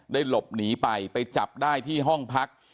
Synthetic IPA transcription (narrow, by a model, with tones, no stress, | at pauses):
daː˥˩jlo˨˩p̚niː˩˦˥pa˧jpa˧jt͡ɕa˨˩p̚daː˥˩jt̪ʰiː˥˩ɦɔ˥˩ŋpʰa˦˥k̚